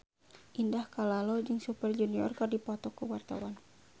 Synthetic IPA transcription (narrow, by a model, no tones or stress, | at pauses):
ʔindahkalalɔd͡ʒɨŋsupərd͡ʒuniɔrkɨrdipɔt̪ɔkuwart̪a̰wan